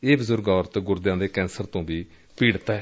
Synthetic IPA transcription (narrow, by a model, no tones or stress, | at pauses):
eːbəzʊɾɡɔːɾt̪ɡʊɾd̪jãːd̪eːkɛ̃ːnsəɾt̪õːbiː | piːɽt̪aɛ